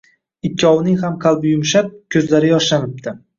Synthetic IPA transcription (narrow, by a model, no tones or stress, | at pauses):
ɪkʰʲːɒwnɪŋhamqʰɑlˠbɪjʊmʃap̚kʲʰɵzlaɾɪjɒʃlanɪp̚d̪ɪ